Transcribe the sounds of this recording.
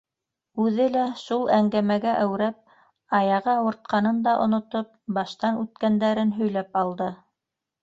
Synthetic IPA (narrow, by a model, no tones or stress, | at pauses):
ʉðɘlæʃulˠæŋɡæmæɡæʔæwɾæp̚ | ɑjɑʁɤwŏɾt̪̚qɑnɤnd̪ɑʔŏnŏt̪op̚bɑʃt̪ɑnʉt̪kænd̪æɾɘnɦɵ̆jlæpɑlˠd̪ɤ